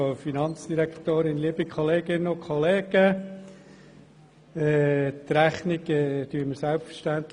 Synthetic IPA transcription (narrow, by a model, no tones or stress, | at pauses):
ofinɑnt͡sd̥iɾækt̪oːɾɪnliəbikχɔleːɡɪnːəokʰχɔleːɡ̥ə | ɛt̪ɾæχniɡɛd̥yːəməɾsælpfəɾʃtænt̪l